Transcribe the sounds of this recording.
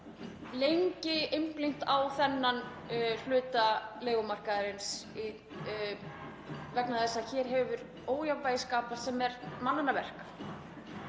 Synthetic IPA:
lejɲcɪɪmplɪŋ̥t̪awθɛnːan | l̥ʏːt̪aleːɣʏmar̥kaðɪɾɪnsi | vɛknaðɛsːaçɛːɾ̥ɦɛvʏɾ | oːwjawpajɪskaːpasɛmɛɾmananavɛr̥k

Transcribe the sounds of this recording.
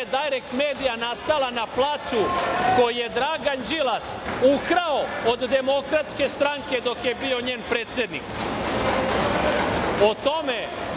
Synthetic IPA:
ed̪ajɾekmeːd̪ijanast̪alanaplˠaːt̪suko̞jije̞d̪ɾaːɡand͡ʒilasukɾaood̪ːe̞mo̞kɾat̪ske̞st̪ɾaŋke̞d̪o̞kje̞bio̞ɲe̞ːnpɾeːt̪sje̞d̪nḭk | ot̪ome̞

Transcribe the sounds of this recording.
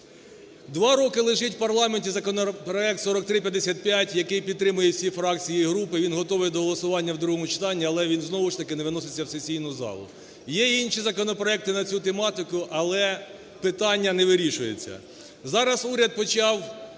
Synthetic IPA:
d̪ʋɑɾɔkɪlˠɪʒɪtʲwpɐrlˠɑmenʲtʲizɐkɔnpɾɔɛk̚t̪sɔɾɔk̚t̪ɾɪpʲjɐd̪ːesʲat̪̚pʲjatʲjɐkɪjpʲid̪̚t̪ːɾɪmʊjɛwsʲifɾɑk̚t͡sʲijiɦɾupɪʋʲinɦɔt̪ɔʋɪjɛd̪ɔɦɔlˠɔsʊʋɑnʲːɐwd̪ɾuɦɔmʊt͡ʃɪ̥t̪ɑnʲːiɐlˠɛʋʲinznɔʋʊʃt̪ɐkɪneʋɪnɔsɪt͡sʲːɐwsesʲijnʊzɑ̰lˠʊ̰ | jɛinʃizɐkɔnɔpɾɔɛk̚t̪ɪnɐt͡sʲut̪emɑt̪ɪkʊʔɐlˠɛ | pɪt̪ɑnʲːɐnɛʋɪɾʲiʃʊjḛt͡sʲːɐ̰ | zɑɾɐsuɾʲɐd̪̚pɔt͡ʃɑw

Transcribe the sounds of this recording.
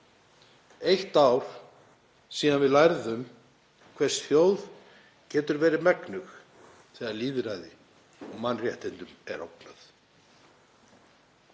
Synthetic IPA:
ejht̪awɾ̥ | siːðanvɪðlajɾðʏm | kʰvɛrsθjoːwð | cɛːt̪ʏɾvɛːɾɪmɛknʏx | θɛːɣðaɾliːðɾaːjðɪ | ɔmanːrjɛht̪ɪnt̪ʏmɛ̰ɾo̰wknaθ

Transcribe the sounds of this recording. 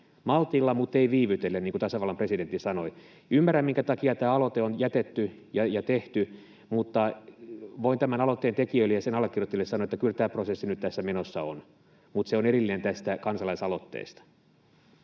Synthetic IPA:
mɑlt̪ilːɑmut̪ːeiʋiːʋyt̪elːeniːŋkut̪ɑsɑʋɑlːɑmpresident̪ːisɑnoi | ymːæræmmiŋkæt̪ɑkiɑt̪æːɑlot̪eonjæt̪et̪ːy | jɑjɑt̪eht̪y | mut̪ːɑ | ʋoint̪æmænɑlot̪ːeːnt̪ekiøilejɑsenɑlːekːirjot̪ːilːesɑnoet̪ːækylt̪æːprosesːinyt̪t̪æsːæmenosːɑon | mut̪seonerilːinent̪æst̪ækɑnsɑlɑisɑlot̪ːḛːst̪ɑ̥

